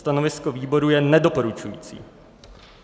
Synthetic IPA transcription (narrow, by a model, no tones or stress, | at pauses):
t̪anovɪskoviːbo̞ɾujɛnɛdo̞po̞ɾut͡ʃujḭːt͡sḭː